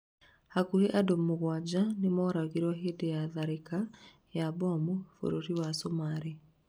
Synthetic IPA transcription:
hakuheʔadomoɣwad͡ʑanemɔɾaɣiɾwɔɦedejaðaɾeka | jabɔmofo̰ɾoɾiwasomaɾe

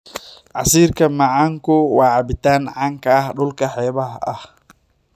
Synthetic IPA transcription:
ʕɑsiːrkʰɐmɐʕaːŋkʊwaːʕɑbɪt̪aːnʕaːŋkʰɐːhɗʊlkʰɐħɛːβɐhɐ̰h

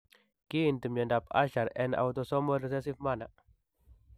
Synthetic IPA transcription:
kint̪əmjandapa̰ʃaɾɛna̰wt̪ɔsɔmɔdəsɛsifmanaʔ

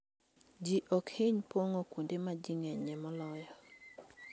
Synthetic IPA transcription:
d͡ʒiʔɔkhɪɲpoŋokwondemad͡ʒiŋɛɲɛmɔlɔjɔ

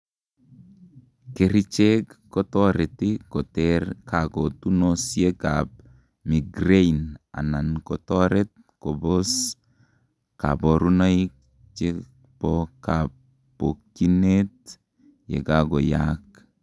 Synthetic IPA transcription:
keɾit͡ʃekːɔtɔɾɛtikɔtɛrkakɔtunosjekap̚ | miɡɾeina̰nankɔtɔɾɛt̚ | kɔbɔs | ka̰bɔɾunajk | t͡ʃe | pɔkapː | okːinet̚ | jḛkaɡɔjak̚

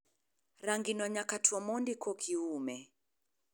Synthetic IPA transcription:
ɾaŋɡinwaɲakatʰuwamɔndikʰɔkʰiumɛ

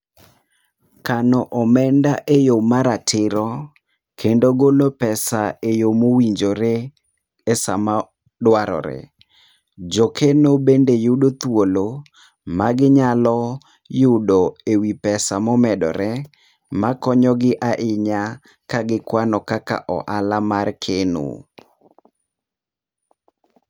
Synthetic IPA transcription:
kanɔʔɔmɛndaʔejomaɾatʰɪɾɔ | kʰendoɡolopɛsaejomowiɲd͡ʒoɾe | esa̰ma | dwaɾɔ̰ɾɛ̰ | d͡ʒokʰenobendejʊdot̪wolo | maɡɪɲalɔ | jʊdoewipɛsamɔmɛdɔ̰ɾɛ | makɔɲɔɡɪʔaʔɪɲa | kaɡɪkwanɔkaka̰ʔɔ̰ʔalamarkʰeno̰

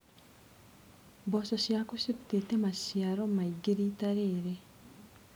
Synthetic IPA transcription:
boːsoʃjakusiɾutetemasjaɾomaiɡiɾiːtaɾeːɾe

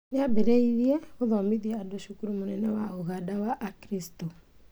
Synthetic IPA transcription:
neabeɾɛiɾiɛoðɔmiðiɛadoʃukuɾumonɛnɛwaoɣadawaʔːkɾisto

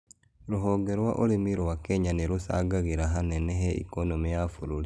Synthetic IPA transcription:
ɾuɦoɡeɾwaʔolimiɾowakeɲaniɾusa̰ɡaɣiɾaɦaneneɦeʔḭkonomijafuɾuli

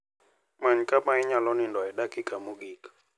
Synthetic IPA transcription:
maɲkamaɪɲalɔnɪndɔɛdakikamuɡik

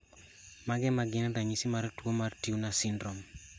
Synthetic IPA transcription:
maɡɛmaɡɪndaɲisimaɾtwomartiunasɪndɾɔm

